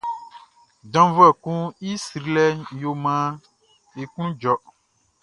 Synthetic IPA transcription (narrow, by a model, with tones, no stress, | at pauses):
dɔ̃˨˦vu˦ɛ˨kũ˦i˦sɾi˨˦lɛ˦jo˨mã˦ | e˨kũ˦d͡ʒɔ˨